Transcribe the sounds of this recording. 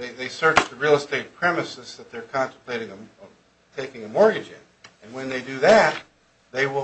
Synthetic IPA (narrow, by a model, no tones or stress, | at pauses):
ðeɪðeɪsɜ˞t͡ʃtʰɨɹil̩ˠəsteɪt̚pʰɹ̥ɛmɨsɨzðɨt̪̚ðə˞kʰɑ̃ntʰə̃mpʰl̥eɪɾɪ̃ŋə | tʰeɪkɪ̃ŋɨmɔɹɡɨd͡ʒɪ̰̃n | ɨ̃nwɨ̃nðeɪdɨðæt̪̚ | ðeɪwɪ